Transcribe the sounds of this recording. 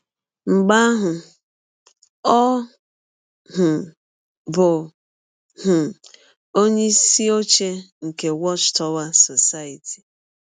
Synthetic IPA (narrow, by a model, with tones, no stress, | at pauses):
ŋ͡m̩˨ɡ͡ba˦a˦ɦʊ˨ | ɔ˦ | ɦʊ˨ | bʊ˨ | hʊ˨ | o˦ɲe˦si˦o˦t͡ʃe˦ŋ̩˨ke˨wɔ˦t͡ʃtɔ˦wa˦sɔ˨sa˦i˨tʰi̥˨